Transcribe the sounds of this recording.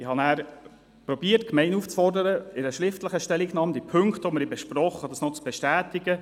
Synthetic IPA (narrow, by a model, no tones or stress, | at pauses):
ɪhɑnæːɾ | pɾɔbiːəɾtkmɛɪnuft͡sfɔrdəɾəɪɾəʃɾɪft̪ləχəʃtɛliknɑːmd̥ipʰɵŋkt̪oməɾibɛʃpɾɔχːəd̥̪ɑsnɔt͡sb̥ɛʃtæːt̪iɡə